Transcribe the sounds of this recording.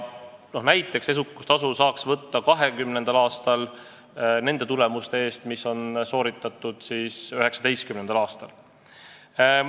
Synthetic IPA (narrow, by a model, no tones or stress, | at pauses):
no̞hnæjt̪ːˑe̞kse̞s̬ukːust̪ɑsusɑːksvɤt̪ːɑkɑɦe̞kymne̞nd̪̥ɑlɑːst̪ɑl | ne̞nd̪̥e̞t̪ule̞must̪e̞e̞ːst̪miso̞nso̞ːɾit̪ːˑɑt̪ːˑud̪̥siːsøɦe̞ksɑ̥d̪e̞jst̪kymnenɑlɑːst̪ɑl